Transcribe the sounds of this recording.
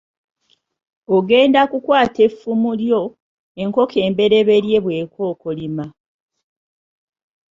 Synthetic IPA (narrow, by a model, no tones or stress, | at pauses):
oɡe̞ːndakukwaːte̞fumuljo̞ | eŋko̞kʰe̞ːmbe̞ɾe̞βe̞ɾje̞βwe̞ːko̞ːkolima